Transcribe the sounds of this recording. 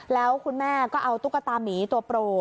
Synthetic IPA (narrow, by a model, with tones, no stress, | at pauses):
lɛː˦˥wkʰu˧nmɛː˥˩kɔː˥˩ʔa˧wt̪u˦˥k̚ːa˧t̪aː˧mniː˩˦t̪u˧ɐpɾoː˧